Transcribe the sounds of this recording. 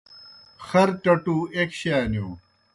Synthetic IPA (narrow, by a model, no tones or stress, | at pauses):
xɐɾʈɐʈuekɕaːnuː